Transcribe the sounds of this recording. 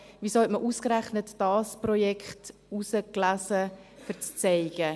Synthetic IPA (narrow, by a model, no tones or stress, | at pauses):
visohɛtməʔuːskɾæχnətd̥ɑːsprɔjɛkχtusəklæsə | fəɾt͡st͡sɛɪɡə